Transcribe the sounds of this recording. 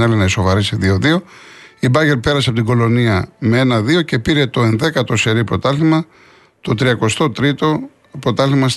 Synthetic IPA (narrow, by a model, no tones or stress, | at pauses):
nɐlenɐiso̞vɐɾisiðio̞ðio̞ibɐʝe̞ɾpe̞ɾɐsɐpot̪iɡo̞lo̞niɐmee̞nɐðio̞ce̞piɾe̞t̪o̞e̞nðe̞kɐt̪o̞se̞ɾipɾo̞t̪ɐlimɐ | t̪o̞t̪ɾiɐko̞st̪o̞t̪ɾit̪o̞ | pɾo̞t̪ɐlimɐs